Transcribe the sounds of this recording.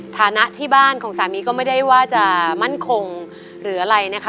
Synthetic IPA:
t̪ʰaː˨˩˦na˦˥ʔt̪ʰiː˥˩baː˥˩nkʰɔː˩˦ŋsaː˩˦miː˧kɔː˥˩ma˥˩jda˥˩jwaː˥˩t͡ɕa˨˩ʔma˥˩nkʰo˧ŋ | ɾɯː˩˦ʔa˧ɾa˧jna˦˥kʰ

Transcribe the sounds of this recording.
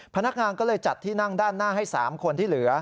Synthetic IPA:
pʰa˧na˦˥k̚ŋaː˧nkɔː˥˩lɤː˧jt͡ɕa˨˩t̪ʰːiː˥˩na˥˩ŋdaː˥˩nːaː˥˩ɦa˥˩jsaː˩˦mkʰo˧nt̪ʰiː˥˩lɯ˩˦ɐ

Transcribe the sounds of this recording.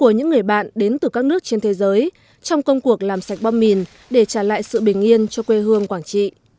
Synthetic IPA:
ku˧˩əɲɨ̰˧˥ŋːɨ˨˩əjɓa̰ː˧˨nɗe˨˦nt̪ɨ˨˩kaː˦˥k̚nɨ˦˥ək̚t͡ɕe˧nt̪ʰe˨˦zəː˨˦j | t͡ɕɔ˧wŋ͡mkə˧wŋ͡mku˨˩ək̚laː˨˩msa˨˩jk̚ɓɔ˧mmi˨˩n | ɗe˧˩t͡ɕaː˧˩la̰ː˧˨jsɨ̰˧˨ɓï˨˩ŋ̟ʔi˧ənt͡ɕɔ˧kwe˧ɦɨ˧əŋkwaː˧˩nt͡ɕḭ˧˨

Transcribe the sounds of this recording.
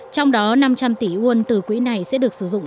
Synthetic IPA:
t͡ɕɔ˧wŋ͡mɗɔ˨˦na˧mt͡ɕa˧mt̪i˧˩ʔu˧ənt̪ɨ˨˩kwi˨˦na˨˩jsɛ̰˧˥ɗɨ˨˩ək̚sɨ˧˩zʊ̰˧˨ŋ͡m

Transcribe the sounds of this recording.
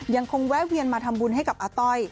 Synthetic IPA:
ja˧ŋkʰo˧ŋwɛː˦˥wi˧ənmaː˧t̪ʰa˧mbu˧nɦa˥˩jka˨˩p̚ʔaː˧t̪ɔ˧j

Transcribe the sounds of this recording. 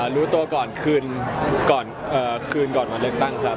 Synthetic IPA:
ɾuː˦˥t̪u˧ɐkɔː˨˩nkʰɯː˧nkɔː˨˩n | ʔɤː˨˩kʰɯː˧nkɔː˨˩nwaː˧lɯ˥ək̚t̪a˥˩ŋkʰɾa˦˥

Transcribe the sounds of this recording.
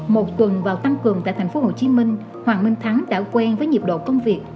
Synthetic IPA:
mo˨˩t̚t̪wə˨˩nvaː˨˩wt̪a˧ŋkɨ˨˩əŋt̪a̰ː˧˨t̪ʰa˨˩ŋ̟fo˨˦ho˨˩t͡ɕi˨˦mï˧ŋ̟ | hwaː˨˩ŋmï˧ŋ̟t̪ʰaː˨˦ŋt͡ɕaː˧˩wkwɛ˧nvəː˨˦jɲi˨˩p̚ɗo̰˧˨kə˧wŋ͡mvi˨˩ək̚

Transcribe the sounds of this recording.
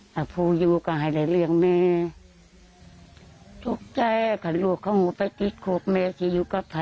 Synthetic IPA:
ʔa˨˧˩pʰuː˧˨juː˧ka˧˩ɦa˨˩jla˨˧˩jlɯ˧əŋmɛː˧ | to˧˦k̚t͡ɕa˧ja˧kʰa˧˩lu˧˩əkʰːa˧whuː˧˦pa˧˩jt̪i˧˦t̪̚kʰo˧˩k̚mɛː˧si˧˦juː˧ka˧˦pːʰa˧

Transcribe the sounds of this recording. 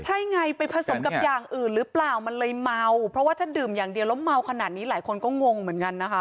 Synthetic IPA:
t͡ɕʰa˦˥˩jŋa˧jpa˧jpʰɾa˧so˨˩˦mka˨˩p̚jaː˨˩ŋʔɯː˨˩nɾɯː˦plaː˨˩wma˧nlɤː˧jma˧wpʰɾɔ˦˥waː˥˩t̪ʰaː˥˩dɯː˨˩mjaː˨˩ŋdi˨˩əwlo˦˥mma˧wkʰa˧naː˨˩t̪̚niː˦˥laː˩˦jkʰo˧nkɔː˥˩ŋo˧ŋmɯ˨˩˦ənka˧nːa˦˥kʰa˦˥

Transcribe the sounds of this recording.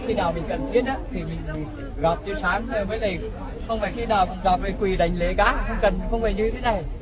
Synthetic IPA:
xi˧naː˨˩wmï˨˩ŋ̟kə˨˩nt̪ʰi˦˥ət̚ʔaː˨˦t̪ʰi˨˩mï˨˩ŋ̟a˨˩ | ɣɔ˨˩p̚t͡ɕi˧saː˨˦ŋəː˧˩jməː˨˦jlə˨˩j | xə˧wfaː˧˨˩jxi˧naː˨˩wɣɔ˨˩p̚lə˨˩jkwi˨˩ɗa̰˨˩jŋ̟le˧˦kaː˨˦˥xə˧wŋ͡mkə˨˩nxə˧wŋ͡mvə˨˩ɲɨ˧t̪ʰe˨˦na˨˩j

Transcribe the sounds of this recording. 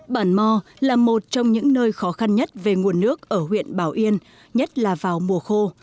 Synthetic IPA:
ɓaː˧˩nmɔ˧ | laː˨˩mo˨˩t̚t͡ɕɔ˧wŋ͡mɲɨ̰˧˥ŋnəː˧jxɔ˨˦xa˧nɲə˦˥t̚ve˨˩ŋu˨˩ənːɨ˦˥ək̚ʔəː˧˩hwḭ˧˨ənɓaː˧˩wʔi˧ən | ɲə˦˥t̚laː˨˩vaː˨˩wmu˨˩əxo˧

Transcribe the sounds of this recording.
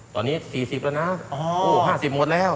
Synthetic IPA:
t̪ɔ̰ː˨˩nːiː˦˥˩siː˨˩si˨˩p̚laː˧˥na˦˥ɔ˧oː˧˩ɦaː˥˩si˨˩p̚mo˨˧˩t̪̚lɛː˦˥˩w

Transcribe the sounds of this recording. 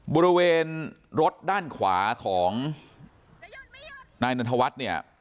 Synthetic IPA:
bɔː˧ɾi˧weː˧nɾo˦˥t̪̚daː˥˩nkʰwa̰ː˩˦kʰɔː˩˦ŋ | naː˧jna˧t̪ʰa˧wa˦˥t̪̚ni˥˩ɐ

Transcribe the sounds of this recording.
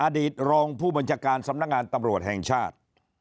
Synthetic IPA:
ʔaː˧diː˨˩t̪̚ɾɔː˧ŋpʰuː˥˩ba˧nt͡ɕʰaː˧˩kaː˧nsa˨˦mna˦˥k̚ŋaː˧nt̪a˧mɾu˨˩ət̪̚hɛ˨˩ŋt͡ɕʰaː˥˩t̪̚

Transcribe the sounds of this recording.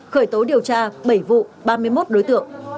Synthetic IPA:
xəː˧˩jt̪o˨˦ɗi˨˩əwt͡ɕaː˧ɓə˧˩jvṵ˧˨ɓaː˧mɨ˧əjmo˦˥t̚ɗo˨˦jt̪ɨ̰˧˨əŋ

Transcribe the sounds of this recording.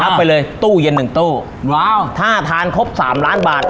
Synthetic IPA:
a˦˥ppːa˧jlɤː˧jt̪uː˥˩je˧nːɯ˨˩ŋt̪uː˥˩ | t̪ʰaː˥˩t̪ʰaː˧nkʰo˦˥p̚sa̰ː˩˦mlaː˦˥nbaː˨˩t̪̚

